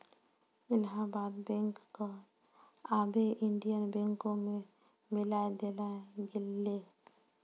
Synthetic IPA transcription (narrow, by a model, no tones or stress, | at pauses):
ɪlɦabaːd̪bɛ̃ŋkːo | aːbeʔɪɳɖijənbɛ̃ŋkõmẽ | mɪlaed̪elaɡɪlːe